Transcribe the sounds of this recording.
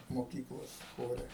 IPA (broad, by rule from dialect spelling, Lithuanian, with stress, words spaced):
moːˈkʲiːklˠoːs ˈxoːrʲɛ